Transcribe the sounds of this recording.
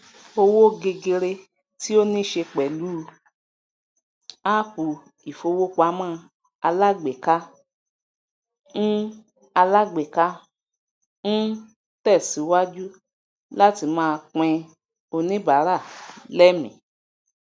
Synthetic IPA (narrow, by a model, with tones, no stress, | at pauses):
o˧wo˦ɡe˧ɡe˧ɾe˧ | ti˦o˦nĩ˦ʃe˧k͡pɛ˨lu˦˧ | a˦ku˨ | i˨fo˧wo˦k͡pa˧˦mãː˦˧ | a˧la˦ɡ͡be˨ka˦ | n̩˦ | a˧la˦ɡ͡be˨ka˦ | ñ̩˦ | tɛ˦˨si˨˦wa˦d͡ʒu˦ | la˦ti˧mãː˧k͡pɛ̃˧ | o˧nĩ˦ba˨˦ɾa˦˨lɛ˦mḭ̃˨